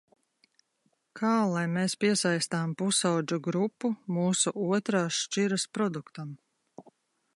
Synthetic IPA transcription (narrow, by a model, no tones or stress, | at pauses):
kʰɑːlˠajmeːspiɛsajst̪aːmpusawd͡ʒuɡɾupːumuːsuʔuɔt̪ɾaːsʃt͡ʃiɾaspɾɔd̪ukt̪am